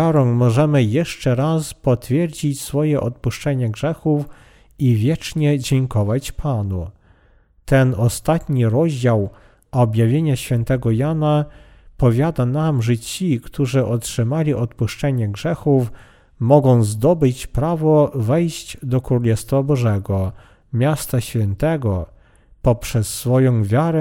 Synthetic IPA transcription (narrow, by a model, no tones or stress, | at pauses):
aɾɔŋmɔʐɛmɘjɛʂt͡ʂɛɾaspɔt̪fʲjɛɾd͡ʑit͡ɕsfɔjɛʔɔt̪̚puʂt͡ʂɛɲɛɡʐɛxuf | ivʲjɛt͡ʂɲɛd͡ʑɛŋkɔvat͡ɕpʰanu | t̪ɛnɔst̪at̪ɲiɾɔʑd͡ʑaw | ɔbʲjavʲjeɲaɕfʲjɛnt̪ɛɡɔjana | pɔvʲjad̪anamʐɛt͡ɕikt̪ʰuʐɘʔɔtʂɘmalʲiʔɔt̪puʂt͡ʂɛɲɛɡʐɛxuf | mɔɡɔ̃w̃zd̪ɔbɘt͡ɕpɾavɔvɛjɕd͡ʑd̪ɔkɾulɛst̪fabɔʐɛɡɔ | mʲjast̪aɕfʲjɛnt̪ɛɡɔ | pɔpʂɛsːfɔjɔ̃w̃vʲjaɾɛ